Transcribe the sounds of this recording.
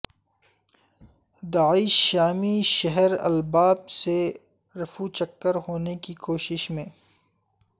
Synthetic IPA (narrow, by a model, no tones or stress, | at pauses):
d̪aːɪʃːaːmiʃɐɦəɾɐ̰lbaːbse | ɾɐfut͡ʃɐkːəɾhoːnekikoːʃɪʃmẽː